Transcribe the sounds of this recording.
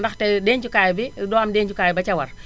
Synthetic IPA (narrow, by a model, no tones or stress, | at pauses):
ndɐxtɛdɛːɲt͡ʃukaːjbidɔːamdɛːɲt͡ʃukaːjbɐt͡ʃɐwɐr